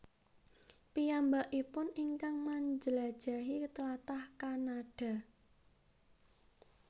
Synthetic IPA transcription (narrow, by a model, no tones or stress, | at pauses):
pijambaʔipʊniŋkaŋmaɲd͡ʒəlad̥ʒ̥a̤ɦit̪əlat̪ahkanaɖ̥a̤